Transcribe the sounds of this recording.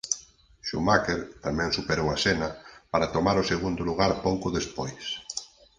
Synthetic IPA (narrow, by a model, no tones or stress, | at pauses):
ʃumakeɾt̪amɛ̃ŋsupeɾowasenapaɾat̪omaɾoseɣ̞und̪oluɣ̞aɾpowkʊðespojs